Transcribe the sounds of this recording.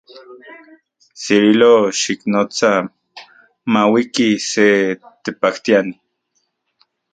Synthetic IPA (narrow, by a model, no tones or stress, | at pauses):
siɾiloʃiknot͡sa | mawikiset̪epakt̪iani